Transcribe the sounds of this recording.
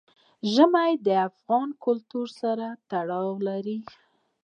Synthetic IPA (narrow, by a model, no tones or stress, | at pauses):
ʒəmajd̪əafɣɑnkʊlt̪uɾsaɾat̪aɽɑwlaɾi